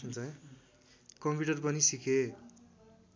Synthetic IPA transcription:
unt͡sʰʌ | kʌmpiʈʌrpʌnisikʰe

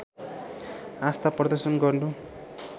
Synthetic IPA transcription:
ast̪aprʌd̪ʌrsʌnɡʌrnu

